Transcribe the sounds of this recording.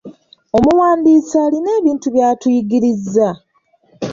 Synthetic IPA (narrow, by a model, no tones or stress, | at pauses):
o̞muwaːndiːsaːline̞ːβiːntuβjaːtujiɡiɾizːa